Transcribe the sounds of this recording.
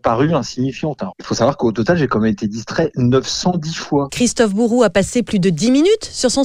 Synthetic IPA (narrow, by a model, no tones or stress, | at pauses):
paʁyɛ̃siɲifjɑ̃t̪ɛ̃ilfosavwaʁkot̪ɔt̪alʒekɑ̃mɛmet̪ed̪ist̪χɛnœfsɑ̃d̪ifwakχist̪ɔfbuʁuapaseplyd̪əd̪iminyt̪syʁsɔ̃